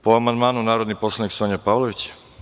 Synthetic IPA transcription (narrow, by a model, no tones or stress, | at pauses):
poamand̪maːnunaːɾo̞d̪nipo̞slˠaniksoɲapaːʋlˠoʋit͡ɕḁ